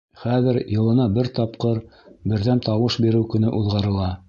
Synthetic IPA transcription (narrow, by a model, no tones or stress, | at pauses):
χæðɘɾjɤ̆lˠɤ̆nɑbɘɾt̪ɑpqɤɾbɘ̆ɾðænt̪ɑwɤʃbiɾɘwkɵ̆nɘʔuðʁɑɾɤ̆lˠɑ